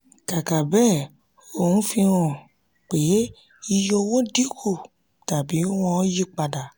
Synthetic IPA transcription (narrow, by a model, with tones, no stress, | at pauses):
ka˨ka˨bɛː˦˨ | o˦˨hũ˨˦fĩ˧w̃ɔ̃˨ | k͡pe˨˦ | i˧jo˧wo˦di˦kʰu˦˨ | ta˨bi˨˦w̃ɔ̃˧˦ji˦k͡pa˧da˨